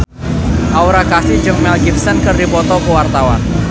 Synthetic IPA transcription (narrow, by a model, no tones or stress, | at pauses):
ʔauɾakasi̥d͡ʒəŋ̚mɛlɡifsənkərdipɔt̪ɔkəwart̪awa̰n